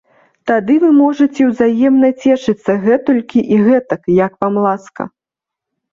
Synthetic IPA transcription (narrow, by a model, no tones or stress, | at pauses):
t̪ad̪ɨvɨmɔʐɨt͡sʲɛwzajɛmnɐt͡sʲɛʂɨt̪sːɐɣɛt̪ɔlʲkʲiʔiɣɛt̪ɐkjɐkvamlˠaskɐ̰